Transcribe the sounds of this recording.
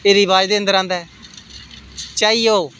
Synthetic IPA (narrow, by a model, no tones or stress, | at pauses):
eːɾiːʋaːd͡ʒd̪eːənd̪əɾãːnd̪aː | t͡ʃaːiːoː